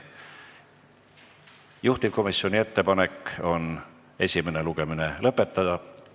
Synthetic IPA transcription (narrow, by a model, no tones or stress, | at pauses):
juht̪ivko̞misːo̞nʲie̞t̪ːe̞pɑne̞kːo̞n | e̞sʲime̞ne̞luɡ̥e̞mine̞lɤpːˑe̞t̪ːɑd̪̥ɑ